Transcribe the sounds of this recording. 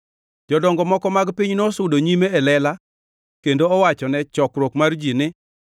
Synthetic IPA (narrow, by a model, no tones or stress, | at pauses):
d͡ʒɔdɔŋɡɔmɔkɔmaɡpiɲnɔsʊdoɲimeːlɛla | kendoɔwat͡ʃɔnɛt͡ʃɔkɾwokmard͡ʒinɪ